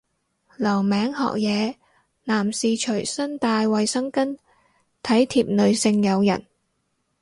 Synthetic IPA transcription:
lɐ˨˩wmɛː˨˥ŋɦɔ̰ː˨k̚jɛː˨˧ | naː˨˩msiː˨t͡ʃʰɵ˨˩ɥsɐ˥nt̪aː˧jwɐ˨jsɐ˥ŋkɐ˥n | t̪ʰɐ˨˥jt̪ʰiː˨p̚nɵ˨˧ɥsɪ˧ŋjɐ˨˧wjɐ̰˨˩n

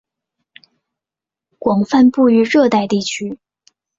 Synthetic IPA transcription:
kwɑ˨˩ŋfa˥˧npu˥˧y˥ɻɤ˥˧t̪a˥˧ɪt̪i˥˩t͡ɕʰy˥

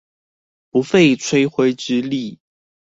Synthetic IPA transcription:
pu˨˦fe˥˨ɪt͡sʰwe˥ɪxwe˥ɪʈ͡ʂɻ̩˥˦li˥˨

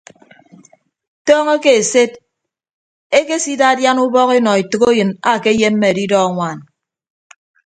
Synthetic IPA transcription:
tɔː˦ŋe˦ke˨e˨se˦d̚ | e˦ke˦si˦da˦˨dja˦nu˦bɔ˦ke˦nɔ˨e˨tɨ˨ko˦jɨ˨na˨ke˦je˦m̩ː˦e˦˨e˨di˦dɔ˦a˨ŋʷaː˨n

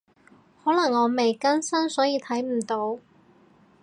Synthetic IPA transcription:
hɔː˨˥lɐ˨˩ŋːɔː˨˧me˨jkɐ˥nsɐ˥nsɔː˨˥jiː˧t̪ʰɐ˨˥jm̩˨˩t̪o˨˧w

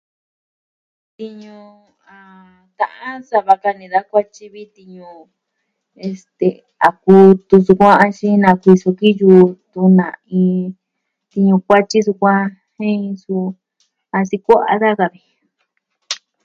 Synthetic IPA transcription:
t̪i˧ɲũ˧ | a˨˧˨ | t̪ã̰˧ʔã˦sa˧βa˧ka˧nĩ˧ða˦kʷa˦t͡ʃi˦βi˦t̪i˧ɲũ˧ | e˧st̪e˨ | a˨ku˧t̪u˧su˧kʷã˦a˧t͡ʃĩ˦nã˧kʷi˧so˧ki˦juː˧t̪u˧nã̰˨ĩː˧ | t̪i˧ɲũ˧kʷa˦t͡ʃi˦s̬u˧kʷã˦ | hĩ˦˧su˧ | a˧si˧kʷa˦ʔa̰˧ða˦ka˧βi˧

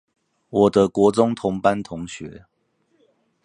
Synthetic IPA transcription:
wɔ˨˩d̪ə˦kwɔ˧˥t͡sʊ˦˥ŋt̪ʰʊ˧˥ŋpa˦nt̪ʰʊ˧˦ŋɕɥɛ˨˦

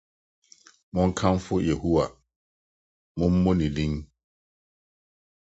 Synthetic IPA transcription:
mɔ̃˦ŋ̩˦kʰã˦m˦fʊ˦je˨hu˦wa˨ | mɔ̃˦m̩˦mɔ̃˦nĩ˨dĩ˦n

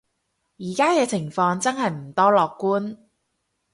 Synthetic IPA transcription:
jiː˨˩kaː˥kɛː˧t͡sʰɪ˨˩ŋfɔː˧ŋt͡sɐ˥nɦɐ˨jm̩˨˩t̪ɔː˥lɔː˨kːuː˥n

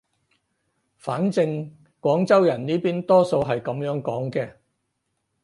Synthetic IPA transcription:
faː˨˥nt͡sɪ˧ŋ | kʷɔː˨˥ŋt͡sɐ˥wjɐ˨˩nniː˥piː˥nt̪ɔː˥so˧wɦɐ˨jkɐ˨˥mjœː˨˥ŋkɔː˨˥ŋkɛː˧

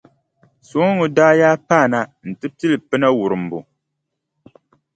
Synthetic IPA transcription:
so˨˦ŋʊ˨daː˦jaː˦paː˦˨na˦n̩˨tɨ˦pi˦lɨ˨pɨ˦na˦wu˨ɾɨ˨m̩˨bṵ˨

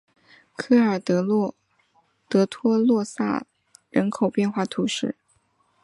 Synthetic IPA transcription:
kʰɤ˥˩ə˞˨˩t̪ɤ˧˥l | t̪ɤ˧˥t̪ʰwɔ˥lwɔ˥˧sa̰˥˩ | ɻə˧˥nkʰo˨˩ʊpjɛ˥˧nxwa˥˩t̪ʰu˧˥ʂɻ̩˥˩

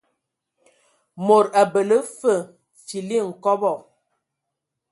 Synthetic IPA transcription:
mo˨ɾa˨bə˨lə˦fə˦˨ | t͡ʃi˨li˦˨ŋ̩˨kɔ˦bɔ˦˨

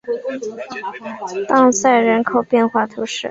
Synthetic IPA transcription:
t̪ɑ˥˧ŋsa˥˩ɪɻə˧˥nkʰo˨˩ʊpjɛ˥˧nxwa˥˩t̪ʰu˧˥ʂɻ̩˥˩

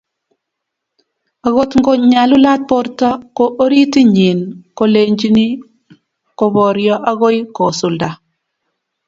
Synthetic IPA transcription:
a˨ɣo˦tŋɡo˦ɲa˨lu˦la˦t̚pɔ˦ɾta˦ko˦ʔo˦ɾi˦ti˦ɲi˨nko˦le˨ɲd͡ʒi˦ni˦ | ko˨bɔ˨ɾjɔ˦ʔa˦ɣo˦jkɔ˨su˨lda˨

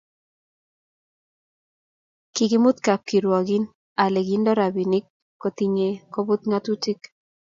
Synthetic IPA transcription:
kɪ˨kɪ˦mʊ˦t̪ka˨p̚ki˨ɾwɔ˨ɡɪ˦n | a˨le˨ɡi˦ndɔ˦ɾa˨bi˨nɪ˦kː | o˨t̪i˨ɲe˨ko˦bʊ˦t̪ŋa˦t̪u˦ti˦k

